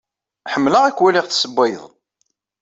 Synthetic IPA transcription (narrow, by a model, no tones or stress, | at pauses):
ħəmːləʁækwæliʁθsəbʷːæjəðˤ